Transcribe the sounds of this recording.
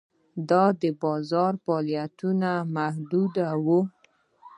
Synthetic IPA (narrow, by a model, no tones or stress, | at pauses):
d̪ɑd̪əbɑzɑɾfɑljat̪unamahd̪ud̪awu